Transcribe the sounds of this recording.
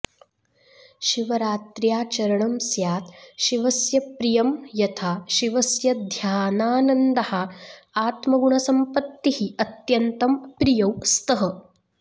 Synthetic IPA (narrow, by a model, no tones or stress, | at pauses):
ʃiʋɐɾaːt̪ɾjaːt͡ʃɐɾɐɳɐmsjaːt̪ʃiʋɐsjɐpɾijɐmjɐt̪ʰaːʃiʋɐsjɐd̪ʱjaːnaːnɐnd̪ɐhɐaːt̪mɐɡuɳɐsɐmpɐt̪ːihiɐt̪jɐnt̪ɐmpɾijɐwst̪ɐɦɐ